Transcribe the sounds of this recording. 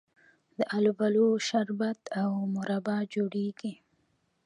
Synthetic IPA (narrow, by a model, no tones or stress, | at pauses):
d̪əʔalbaloʃaɾbat̪awmʊɾabɑd͡ʒoɽeɡi